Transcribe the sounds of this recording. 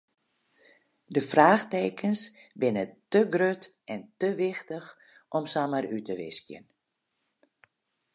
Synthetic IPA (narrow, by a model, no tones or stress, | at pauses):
dəfraːxteːkʰənsbɪnətəɡrøt | ɛntəʋɪxtəx | ʔɔmsamərytəʋɪ̰skjə̰n